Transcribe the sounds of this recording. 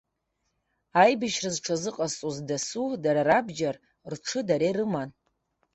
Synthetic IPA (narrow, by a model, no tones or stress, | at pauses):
ajbaʃrazʈ͡ʂʰazɨqʼast͡sʼuzdasudaɾaɾabd͡ʒar | rʈ͡ʂʰɨdaɾerɨman